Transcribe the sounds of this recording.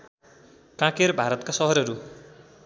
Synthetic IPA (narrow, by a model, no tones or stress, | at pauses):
kãkerbʱaɾʌt̪kasʌɦʌɾʌɾu